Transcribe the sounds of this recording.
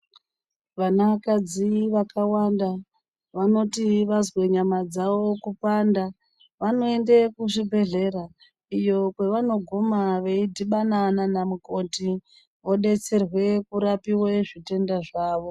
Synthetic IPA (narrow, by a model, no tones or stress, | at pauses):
ʋanakad͡ziʋakawanda | ʋano̞tiʋazwe̞ɲamad͡zaʋo̞kupanda | ʋano̞e̞ndekuʐibʱe̞ɮe̞ɾa | ijo̞kwe̞ʋano̞ɡʱomaʋe̞idʱiɓanananamuko̞ti | ʋo̞ɗe̞t͡se̞rwe̞kuɾapiweʐite̞ndaʐaːʋo̞